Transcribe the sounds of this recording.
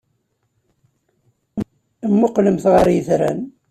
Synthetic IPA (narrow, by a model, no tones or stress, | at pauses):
mːʊqːləmθʁəɾjəθɾæ̰n